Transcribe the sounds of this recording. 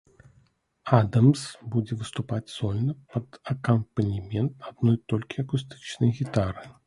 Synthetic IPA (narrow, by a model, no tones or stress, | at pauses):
ad̪ɐmsbud͡zʲɛvɨst̪upad͡zʲzɔlʲnɐpɐd̪ɐkɐmpɐnʲimʲɛnt̪ad̪nɔjt̪ɔlʲkʲiɐkust̪ɨ̥t͡ʃnɐjɣʲit̪aɾɨ